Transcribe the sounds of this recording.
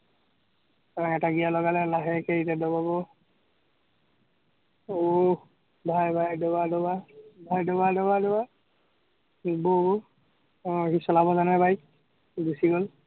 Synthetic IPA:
ɛtaɡijalɔɡalɛlaɦɛkeitɛdɔbabɔ | o | bʱajbʱajdɔbadɔbabʱajdɔbadɔbadɔba | bɔɡo | ɦisɔlabɔzanabʱaj | busiɡol

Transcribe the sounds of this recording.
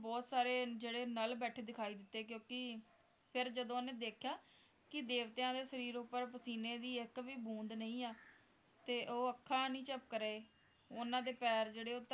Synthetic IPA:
bɔːt̪saːɾeːd͡ʒeːɽeːnəlbɛːʈʰeːd̪ɪkʰaːiːd̪ɪt̪ːeːkjõːkɪ | pʰɪɾd͡ʒəd̪õːnẽːd̪eːkʰjaː | kɪd̪eːʋt̪eãːd̪eːsəɾiːɾʊpːəɾpəsiːneːd̪iːɪkʋiːbũːnd̪nəĩːaː | t̪eːʔoːəkʰːaːnĩːt͡ʃəp̚kəɾeː | ʊnãːd̪eːpɛːɾd͡ʒeːɽeːoːt̪

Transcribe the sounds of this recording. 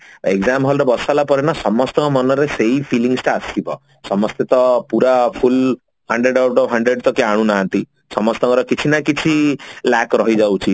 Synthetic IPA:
eɡzamɦɔlɾebɔsalapɔɾenasɔmɔst̪ɔɔmɔnɔɾeseipʰiliŋsʈaast̪ibɔ | sɔmɔst̪et̪ɔpuɾapʰul | haɳɖɾeɖawʈɔbɦaɳɖɾeɖt̪ɔkiaɽ̃ũnãːnt̪i | sɔmɔst̪ɔkɔɾɔkit͡ʃʰinakit͡ʃʰilakɾɔɦid͡ʒawt͡ʃʰi

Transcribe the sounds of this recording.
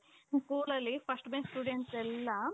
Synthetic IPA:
skuːlɐlːipʰɐsʈmesʈuːɖeɳʈsɛlːɐ

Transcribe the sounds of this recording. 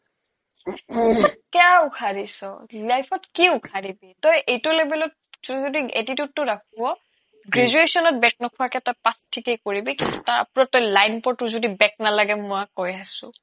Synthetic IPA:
lajpʰɔt̚kɛaukʰaɹisɔlajpʰɔtkiukʰaɹibitɔjʔejtʊlebɛlɔt̚ | zzodiḛtitutːʊɹakʰuwɔ | ɡɹezuesɔnɔt̚bɛk̚nɔkʰʊakɛtɔjpastʰikejkoɹibikintutaa̰pɹɔtɔjlajnpɔɹtʊzodibɛk̚nalaɡɛmʊakɔjasʊ̰̃

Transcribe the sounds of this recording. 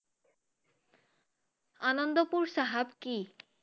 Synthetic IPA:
anond̪opuɾʃaɦabki

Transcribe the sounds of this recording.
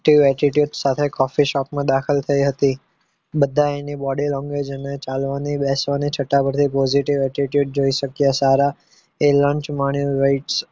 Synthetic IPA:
ʈiʋɛʈiʈjuɖsat̪ʰekɔfiʃɔpmãd̪akʰəlt̪ʰəiɦət̪i | bəd̪ʱːaenibɔɽilɔ̃ŋɡed͡ʒənet͡ʃalʋanibɛsʋanit͡ʃʰəʈːapəɾt̪ʰipɔd͡ʒiʈiʋɛʈiʈjuɖ̚d͡ʒoiʃəkjasaɾa | elə̃ɲt͡ʃmaɳ̃juɾaiʈs

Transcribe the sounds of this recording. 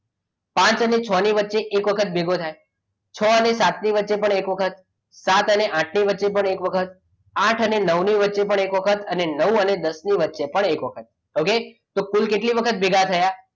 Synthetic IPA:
pãt͡ʃənet͡ʃʰɔniʋətːʃeʔekʋəkʰət̪̚bʱeɡot̪ʰaj | t͡ʃʰɔənesat̪niʋətːʃepəɳekʋəkʰət̪̚ | sat̪əneʔãʈʰniʋətːʃepəɳekʋəkʰət̪̚ | ãʈʰənenəʋniʋətːʃepəɳekʋəkʰət̪ənenəʋũəned̪əsniʋətːʃepəɳekʋəkʰət̪̚ | oke | t̪okulkeʈliʋəkʰət̪̚bʱeɡʱat̪ʰəja

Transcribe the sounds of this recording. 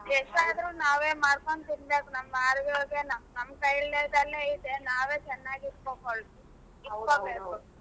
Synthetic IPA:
ɛʂʈaːd̪ɾuːnaːʋeːmaːɽkont̪inbeːkunɐmːɐaɾʋjoːɡenɐmnɐmːɐkɐjɭlejd̪ɐlːeːid̪enaːʋeːt͡ʃɛnːaːɡit̪kokoɭt̪i | ikoːbeːku

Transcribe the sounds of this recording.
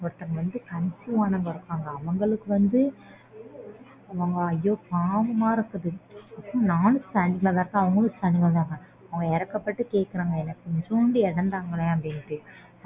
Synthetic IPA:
ɔɽɐt̪ːɐkɐʋɐnd̪ɯkɐnsɯʋaːnɐːŋɡɐɾɯkːaːŋɡɐːʋɐŋɡɐɭɯkːɯʋɐnd̪ɯ | ɐʋɐŋɡɐːjːoːpaːʋɐmaːɪɾɯkːɐðɯɐpːɾõnaːnɯ̃st̪ɐɳɪŋɡɐɭɐðaːɾɯkːɯ̃ɐʋɐŋɡɐɭɯst̪ɐnɪɡɐɭt̪aːŋɡɐ | ɐʋɐŋɡɐɪɾɐkːɐpːɐʈːɯkeːʈ̚kɪɾaːŋɡɐɛnːɐkːɔɲd͡ʒoːnɖɯɛɽɐnd̪aːɐŋɡɐɭeɐbɽɪnʈːɯ

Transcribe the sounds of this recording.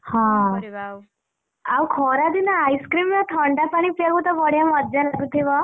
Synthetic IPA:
hã | awkʰɔɾad̪inaːjskɾiːmːat̪ʰɔɳɖapaɽ̃ipeɡut̪abɔɽjãməd̪d͡ʑalaɡut̪ʰiʋa

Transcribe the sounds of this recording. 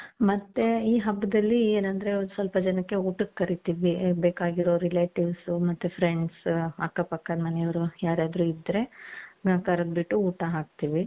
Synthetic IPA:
mɐt̪ːeiːɦɐbːɐd̪ɐlːieːnɐnd̪ɐɾend̪sʋɐlpɐd͡ʒɐnɐkːe̞uːʈɐkːɐɾit̪iʋibeːkaːɡiɾo̞ɾileːʈiʋsmɐt̪ːepʰɾeɳɖsɐ̰kːɐpɐkːaːd̪mɐnejɐʋɐɾujaːɾjaːd̪ɾuid̪ɾe̞ɐkɐɾɐd̪̚biʈːuuːʈaɦaːk̚t̪iʋi

